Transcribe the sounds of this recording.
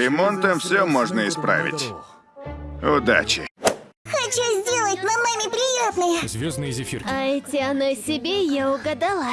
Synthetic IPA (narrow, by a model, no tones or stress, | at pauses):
ɾʲɪmo̞nt̪əmfsʲɵmoʐnəɪspɾa̰vʲɪ̰tʲ | ʊd̪a̰t͡ɕɪ̰ | xɐt͡ɕuzʲdʲelˠət̚ʲmɐmamʲɪpɾʲɪjat̪nəjəzʲvʲoznɨjzɪfʲirɐɛtʲɪɐnosʲɪbʲejaʊɡɐd̪ɐlˠa